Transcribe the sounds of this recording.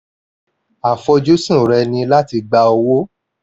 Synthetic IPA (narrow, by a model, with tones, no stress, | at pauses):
a˨fɔ˧d͡ʒo˦sũ˦˨ɾɛ˧nĩ˧la˦ti˧ɡ͡ba˧o˧wo˦